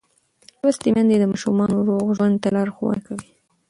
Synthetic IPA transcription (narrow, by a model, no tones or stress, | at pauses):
lɾust̪emand̪ed̪əmɑʃumɑnoɾoɣʒwand̪t̪alɑɾxowa̰nkawi